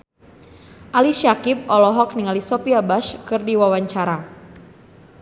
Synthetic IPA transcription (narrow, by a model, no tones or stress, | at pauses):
ʔaliʃakip̚ɔlɔɦɔk̚niŋalisɔpiabaʃkɨrdiwawaɲt͡ʃaɾa